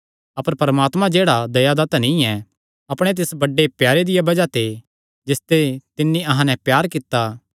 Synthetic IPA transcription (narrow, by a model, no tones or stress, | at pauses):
ɐpəɾpɐɾɐmaːt̪mãd͡ʒeːɽad̪ɐjad̪ɐt̪nĩɛ | ɐpɽ̃et̪̬esbɐɖːepjaːɾed̪ɪjabɐd͡ʒat̪e | d͡ʒɪst̪et̪ɪnːiʔɐɦãnɛ̃pjaːɾkɪt̪ːa